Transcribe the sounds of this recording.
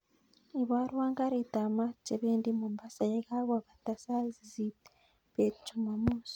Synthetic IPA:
i˨βa˦ɾwaː˦ŋɡa˦ɾi˨ta˨ma˦t͡ʃe˨βe˦ndi˦mu˨mba˦sa˨je˦ka˦βa˨βa˨ta˨sa˦zi˨zi˨ | βe˨t͡ʃu˨ma˨muː˦s

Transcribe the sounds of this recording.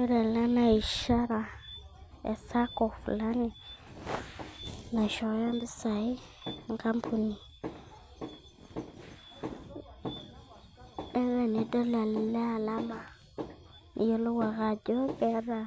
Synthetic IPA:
ɛ˦ɾɛ˨la˦na˨i˨ʃa˦ɾa˨ | ḛ˨sa˦kɔ˨fu˨la˦ni˨ | na˨ʃɔ˨˦ja˦mbi˦sa˨i˦˨ŋka˦mpʰu˨ni˨ | ɛ˦wɛ˨ni˨dɔ˦la˨n˨lɛ˦a˨la˦ma˨ | jo˦lo˦wa˨ɣa˨d͡ʒɔ˦bɛ˦ɾa˨

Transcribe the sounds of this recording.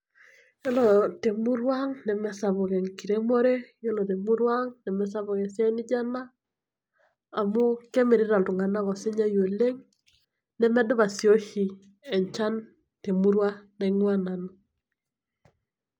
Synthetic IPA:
jɔ˦lɔ˨te˨mu˦ɾwa˦ŋnɛ˨mɛ˨sa˨βɔ˨kɛ˨ŋki˨ɾe˦mo˦ɾe˦jɔ˦lɔ˨te˨mu˦ɾwa˦ŋnɛ˨mɛ˨sa˦βɔ˨kɛ˨sja˦ni˦d͡ʒa˦na˦˨ | mu˦kɛ˦me˨ɾi˦ɾa˨ltu˨ŋa˨na˦kɔ˨si˦ɲa˦jo˨le˦ŋ | nɛ˦mɛ˦dʊ˦βa˨sjo˦hi˨ | ɛ˨ɲt͡ʃa˦n | te˨mu˦ɾwa˦na˨ŋwa˦na˨na˨

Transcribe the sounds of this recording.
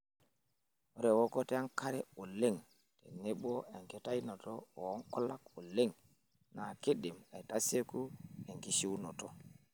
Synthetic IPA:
o˦ɾe˨wo˦ko˦te˦a˦ŋka˦ɾɛ˦o˨le˦ŋ | te˨ne˦ɓo˦e˨ŋke˨ta˦jno˨to˦o˨˦ŋkɔ˦la˦ko˨le˦ŋ | na˨ke˦di˨ma˨jta˦se˦ku˦e˨ŋki˨˦ʃi˦wno˨to˨

